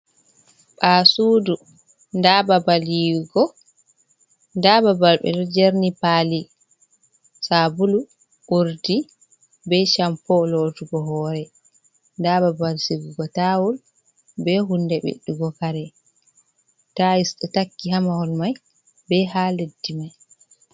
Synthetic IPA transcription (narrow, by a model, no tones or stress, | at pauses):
ɓasuːdu | ndababaliɡɔ | ndababalɓɛ̰dɛd͡ʒeɾnipali | sabulu | ʔuɾdi | bɛʃampɔlɔduɡɔɦɔːɾɛ | ndaːbabalsiɡuɡɔtawul | bɛɦundɛɓḛɗːuɡɔkaɾɛ | taisɗɔtakːiɦamahɔlmaj | bɛhaːledːimaj